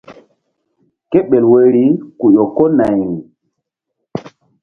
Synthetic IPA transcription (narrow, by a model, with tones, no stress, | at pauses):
ke˦ɓe˨lwe˨ɾi˨˦ku˨jo˨ko˦na˨jɾi˨